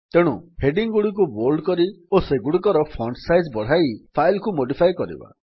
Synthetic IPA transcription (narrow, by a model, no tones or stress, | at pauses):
t̪eɽ̃uheɖiŋɡuɽik̬uboɾɖkɔɾioseɡuɽikɔɾɔpʰɔɳɖsajzbɔɽ̤ajpʰajlkumoɖipʰajkɔɾḭba̰